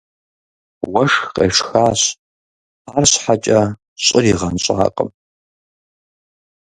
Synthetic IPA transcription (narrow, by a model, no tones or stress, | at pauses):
wɐʂqʼḛːʂxaːɕ | aːrɕħat͡ʃʼɐ | ɕʼɪriʁɐnɕʷʼa̰ːqʼə̰m